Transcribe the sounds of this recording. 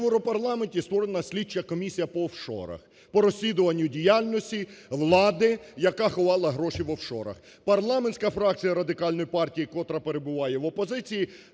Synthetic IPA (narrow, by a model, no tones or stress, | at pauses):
ewɾɔpɐrlˠɑmenʲtʲist̪ʋɔɾenɐsʲlʲit͡ʃːɐkɔmʲisʲijɐpɔːwʃɔ̰ɾɐ̰x | pɔɾɔsʲlʲid̪ʊʋɐnʲːʊdʲijalʲnɔsʲtʲiʋlˠɑd̪ɪjɐkaxɔʋɑlˠɐɦɾɔʃiʋɔwʃɔ̰ɾɐ̰x | pɐrlˠɑmenʲsʲkɐfɾɑk̚t͡sʲijɐɾɐd̪ɪkɑlʲnɔjipɑrtʲijikɔt̪ɾɐpe̞ɾebʊʋɑjɛʋɔpɔzɪt͡sʲiji